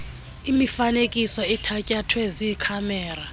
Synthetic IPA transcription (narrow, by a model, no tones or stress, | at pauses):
imifanekʼisɔɛtʰacʼatʰwɛzikʰamɛːra